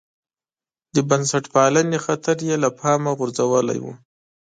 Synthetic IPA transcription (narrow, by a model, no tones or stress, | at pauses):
d̪əbansaʈpɑlanexat̪ʰaɾjelapʰɑmaɣʊɾzawəla̰jwṵ